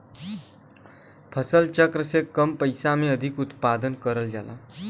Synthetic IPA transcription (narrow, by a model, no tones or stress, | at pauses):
pʰʌsʌlt͡ʃʌkrʌsekːʌmpʌjsameʌd̪ʱikut̪pad̪ənkʌɾəld͡ʒala̰